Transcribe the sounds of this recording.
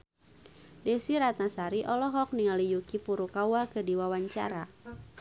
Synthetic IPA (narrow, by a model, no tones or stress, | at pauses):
dɛsiɾat̪asaɾiʔɔlɔɦɔk̚niŋalijukifuɾukawakədiwawaɲt͡ʃa̰ɾa